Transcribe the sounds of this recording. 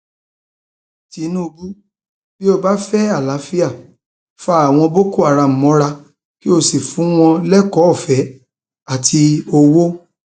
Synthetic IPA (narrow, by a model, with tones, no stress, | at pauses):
ti˨˦nũ˦˧bu˦ | b̥i˦o˧ba˦fɛ˦a˦˨la˨˦fi˦a˦˨ | fa˦a˦˨w̃ɔ̃˧bo˦ko˦a˨ɾa˧m̩˨mɔ̃˨˦ɾa˧ | ki˦o˧si˨fũ˨˦w̃ɔ̃˧lɛ˦kɔ˨˦ɔ˦˨fɛ˨˦ | a˦˨tʰi˧o˧wo˦